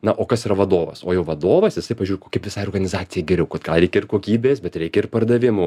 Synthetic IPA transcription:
nɐʔoːkɐsiːɾɐʋɐd̪oːʋɐ̰soːjɛʊʋɐd̪oːʋɐsjɪsɐɪpɐʒʲuːɾʲkoːkʲɛpʋʲɪsɑːɪorɡɐnʲɪzɑːt͡s̪ʲɪjɛːɡʲɛɾʲɛʊkɐt̪ɡɐlˠɾʲɛɪkʲɛɪrkoːkʲiːbʲeːsbʲɛt̪ɾʲɛɪkʲɛɪrpɐrd̪ɐʋʲɪmʊ

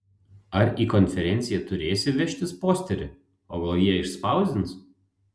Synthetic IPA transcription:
ɐɾiːkɔnʲfʲɛɾʲɛnʲt̪sʲɪjɛt̪ʊɾʲeːsʲɪʋʲɛʃʲt̪ʲɪspoːsʲt̪ʲɛɾʲɪ̰ | oːɡɐlˠjiɛɪʃspɐˑʊzʲd̪ʲɪns

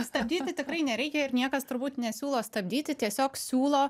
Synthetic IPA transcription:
st̪ɐbʲd̪ʲiːt̪ʲɪt̪ʲɪkɾɐɪnʲɛɾʲɛɪkʲɛɪrnʲiɛkɐst̪ʊɾbuːt̪nʲɛsʲuːlˠoːst̪ɐbʲd̪ʲiːt̪ʲɪt̪ʲiɛsʲoːksʲuːlˠoː

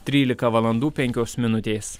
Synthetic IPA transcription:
t̪ʲɾʲiːlʲɪkɐʋɐlˠɐnd̪uːpʲɛŋʲkʲoːsmʲɪnʊt̪ʲeːs

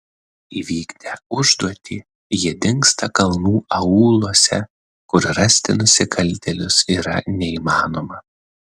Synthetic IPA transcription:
iʋʲiːɡd̪ʲɛʊʒd̪uɔt̪ʲiː | jiɛd̪ʲɪŋkst̪ɐkɐlˠnuːɐuːlˠuɔsʲɛ | kʊɾɾɐsʲt̪ʲɪnʊsʲɪkɐlʲt̪ʲɛlʲʊsiːɾɐnʲɛiːmɑːnoːmɐ

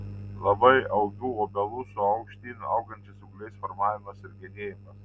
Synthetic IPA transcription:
lˠɐbɐɪɐʊɡʲuːoːbʲɛlˠusʊɐʊkʃʲt̪ʲiːnʲuʔɐʊɡɐnʲt͡ʃʲɪsʊklʲɛɪsfɔɾmɑːʋʲɪmɐsɪɾɡʲɛd̪ʲeːjɪmɐs

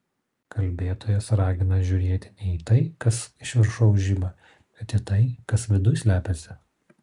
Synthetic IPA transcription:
kɐlʲbʲeːt̪oːjɛsɾɑːɡʲɪnɐʒʲʊːɾʲeːt̪ʲɪ̥nʲɛit̪ɐɪkɐsɪʃʲʋʲɪɾʃɐʊʒʲɪbɐ | bʲɛt̪it̪ɐɪkɐsʋʲɪd̪ʊjsʲlʲæːpʲɛsʲɪ

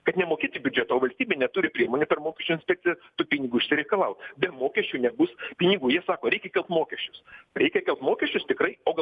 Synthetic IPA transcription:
kɐt̪nʲɛmoːkʲiːt̪ʲibʲʊd͡ʒʲɛt̪ɐoːʋɐlʲsʲt̪ʲiːbʲeːnʲɛt̪uːɾʲɪpʲɾʲiɛmoːnʲɛpʲɛrmoːkʲɛʃʲt͡ʃʲʊːɪnsʲpʲɛk̚tt͡s̪ʲɪjɛt̪uːpʲɪnʲɪɡʊɪʃʲsʲɪɾʲɛɪkɐlˠɐʊt̪bʲɛmoːkʲɛʃʲt͡ʃʲuːnʲɛbʊspʲɪnʲɪɡuːjiɛsɑːkoːɾʲɛɪkʲɛkʲɛlˠpt̪moːkʲɛʃʲt͡ʃʲʊsɾʲɛɪkʲɛkʲɛlˠpt̪moːkʲɛʃʲt͡ʃʲʊst̪ʲɪkrɐɪoːɡɐ

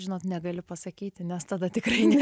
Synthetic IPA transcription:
ʒʲɪnoːt̪nʲɛɡɐlʲɪpɐsɐkʲiːt̪ʲɪnʲɛst̪ɐd̪ɐt̪ʲɪkrɐɪnʲɛ

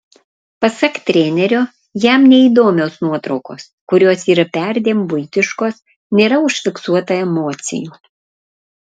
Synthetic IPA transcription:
pɐsɐkt̪ʲɾʲeːnʲɛɾʲoː | jæmnʲɛiːd̪oːmʲoːsnuɔt̪ɾɒʊko̰ːskʊɾʲoːsiːɾɐpʲæɾʲd̪ʲeːmbʊɪt̪ʲɪʃkoːs | nʲeːɾɐʊʃʲfʲɪksuɔt̪ɐɛmoːt̪sʲɪ̰juː

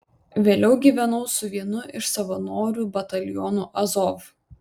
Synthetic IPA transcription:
ʋʲeːlʲɛʊɡʲiːʋʲɛnɐʊsʊʋʲiɛnʊʔɪʃsɐʋɐnoːɾʲuːˑbɐt̪ɐlʲjɔnuʔɐzɔf

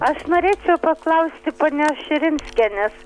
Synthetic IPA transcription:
ɐʃnoːɾʲeːt͡ʃʲɛʊpɐklˠɐʊsʲt̪ʲɪpoːnʲoːʃʲɪɾʲɪnʲsʲkʲɛnʲɛs

